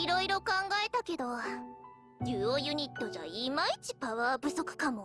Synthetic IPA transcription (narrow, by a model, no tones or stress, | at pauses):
iɾo̞iɾo̞kãŋɡae̞t̪ake̞d̪o̞ | dʲɨːojɯ̟ɲ̟it̪ːo̞ʑa̰imait͡ɕi̥paβaːbɯ̟so̞kɯ̟̥kamo̞